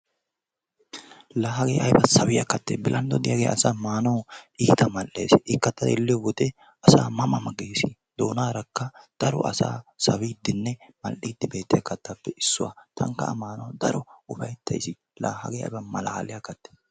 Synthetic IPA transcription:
laːɦɐɡeːʔɐjbɐsɐwɪjɐkɐt̪ːḛːbɪlʔɐnd̪ɔd̪ɪjaɡḛːɐsaːmaːnɐwiːt̪ɐmɐlʔːḛːsɪkːɐt̪ːɐd̪ɛlːɪjɔwɔt̪ɛ | ɐsa̰ːmɐmɐmɐɡeːsi | d̪oːnaːɾɐkːɐd̪̥ɐɾɔ̰ʔɐ̰sa̰ːsɐwiːd̪ɪnːɛmɐlʔiːd̪ːɪbe̞ːt̪ːɪjɐkːɐt̪ːɐpːɛɪsːʊwa̰t̪ʰɐ̰ŋkɐ̰ɐ̰maːnɐwd̪ɐɾɔʊfɐjt̪ʰːɐ̰jsɪ | laːhɐ̰ɡeːɐ̰jbɐmɐla̰ːlɪjakːɐt̪ːe̥ː

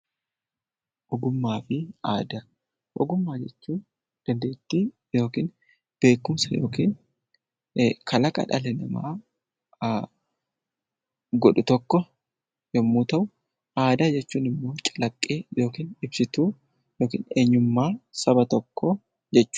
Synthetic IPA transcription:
ʔɔɡʊmːaːfɪaːd̪ɐ | ʔɔ̰ɡʊmːaːd͡ʒɛt͡ʃːuːn | d̪̥ɐnd̪eːɪt̪ːɪ | jo̞ːkiːn | b̥e̞ːkːʊmsɐjo̞ːkiːn | kʰɐlɐkʼɐ̰ᶑɐlɛnɐ̰ma̰ː | ɡɔᶑʊt̪ɔkːɔ | jɛmːuːt̪ɐʔʊ | ʔaːd̪ɐd͡ʒɛt͡ʃːuːnɪmːo̞ːt͡ʃʼɐ̥lɐkʼːeːjo̞ːkiːnɪbsɪt̪uː | joːkḭːnḛːɲːʊmːaːsɐbɐt̪ɔkːɔ | d͡ʒɛt͡ʃːʊ̥

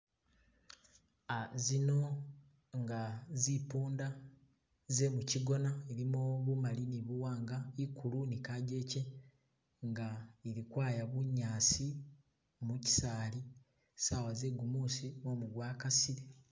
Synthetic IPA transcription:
azino̞ | ŋɡazipuːnda | ze̞muciɡo̞naeɾimoβumaliniβuwaːŋɡaikʰːulunikaɟe̞ce | ŋɡaeɾikwaːjaβuɲːaːsi | muci̥saːli | sawaze̞ɡumusimo̞muɡwaːkasiɾe

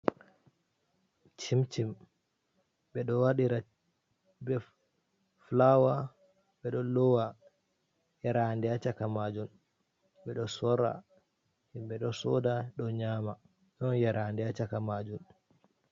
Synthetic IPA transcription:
t͡ʃimt͡ʃim | bɛɗɔwaɗiɾa | bɛ | flawa | ɓɛɗɔlɔwa | jaɾandɛat͡ʃakamad͡ʒun | ɓɛɗɔsɔɾa̰ | himɓɛɗɔsɔdaɗɔɲaːma | jɔnjaɾʔandɛat͡ʃakamad͡ʒun

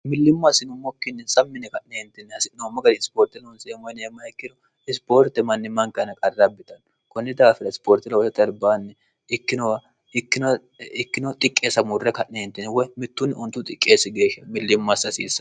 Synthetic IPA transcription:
mɪlːɪmːasɪnʊmɔkːɪnːɛsɐmːɪnːɛkɐʔneɛnt̪ːɪnːɛɐsɪnoːmːɐɡɐɾspoːɾt̪ɪlɐʊnsemɔjneːmːɐɪkːɪnɔ | ɪspoːɾt̪ɛmɐnːɪmɐŋkɐnɐkʼɐrːɐbːɪt̪ɐn | kɔnːɪd̪aːfɪɾɐɪspoːɾt̪ɪlɐwɔsɛt̪ʼɐɾbaːnːɛ | ɪkːɪnɔw | ɪkːɪnɐ | ɪkːɪnɔt̪ʼɪkʼːeːsɐmʊrːɛkɐʔnehɛnt̪ːɪnːɛwɔjmɪt̪ːʊnːɪʊnt̪ːʊt̪ʼɪkʼːeːsɪɡe̞ːʃɐmɪlːɪmːasɐsḭːsɐ

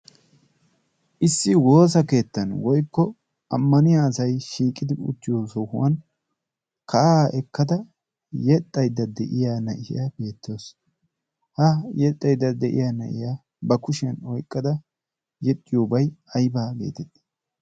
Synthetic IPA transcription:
ʔɪsːɪwo̞ːs̬ɐke̞ːt̪ːɐnwɔjkːɔ | ɐmːɐnɪjaːsɐjʃiːkʼːɪd̪ɪʊ̰t͡ʃ̪ːɪjoːsɔhʊwɐn | kʰɐʔaːʔɛkːɐd̪ɐ | jɛt̪ʼːɐjd̪ːɐd̪ɛʔɪjaːnɐʔɪjabe̞ːt̪ːɪoːs | hɐjɛt̪ʼːɐjd̪ːɐd̪ɛʔɪ̰jaːnɐ̰ʔɪ̰ja | bɐkʊʃɐnɔjkʼːɐd̪ɐ | jɛt̪ʼːɪjoːbɐjɐjbaːbe̞̰ːt̪ɛd̪

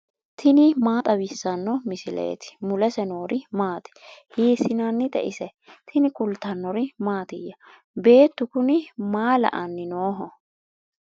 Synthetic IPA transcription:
t̪ʰɪnɪmaːt̪ʼɐwɪsːɐnːɔmɪsɪlḛːt̪ɪ̥mʊlɛsɛnoːɾɪmaːt̪ɪ̥hiːsɪnanːɪt̪ɛ̰ʔɪsɛ | t̪ʰɪnɪkʊlt̪ɐnːɔɾɪmaːt̪ɪjːɐ | be̞ːt̪ːʊkʊnɪmaːlɐ̰ʔɐnːɪnoːɦɔ

